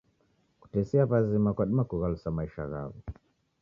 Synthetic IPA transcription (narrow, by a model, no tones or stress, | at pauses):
ku̥tɛsiapazimakwaɗimakuɣalusamaiʃa̰ɣa̰vu